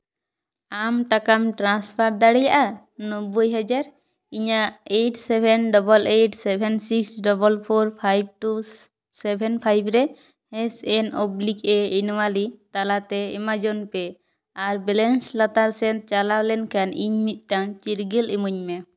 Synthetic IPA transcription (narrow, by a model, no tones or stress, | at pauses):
amʈakamʈɾanspʰaɾ̚d̪aɽɛjaʔa | nɔbujɦɛd͡ʒaɾ | iɲaʔeʈsɛbʱɛnɖɔbɔlejʈsɛbʰʱɛnsiksɖɔbɔlpʰɔɾpʰajb̚ʈu | sɛbʱɛnpʰajbɾɛ | hɛ̃sɛnɔblikɛinwalit̪alat̪ɛɛmad͡ʒɔnpɛ | aɾbɛlɛnslat̪aɾsɛn̚t͡ʃalawlɛnkaniɲmit̪̚ˀʈaŋt͡ʃiɾɡɛlimuɲmɛ